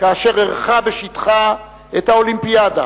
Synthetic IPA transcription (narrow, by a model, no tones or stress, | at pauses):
kaːʃe̞ʁeʁχaveʃitχa | ethaolimpiada̰